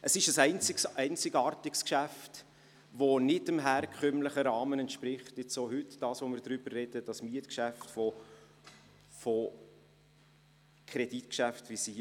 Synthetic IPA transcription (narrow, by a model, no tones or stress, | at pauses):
ʔəsɪʃəsɛɪnt͡sɪksɛɪnt͡sɪɡɑːɾtɪkskʃæft | vonɪtəmɦæːɾkʰχœmləχəɾɑːmənɛntʃpɾɪχtɪt͡soːhʏtd̥ɑːsʋomɪɾdɾʏb̥ərːɛd̥əd̥ɑsmiətkʃæftfɔ | fo | kʰɾɛd̥itkʃæftvisi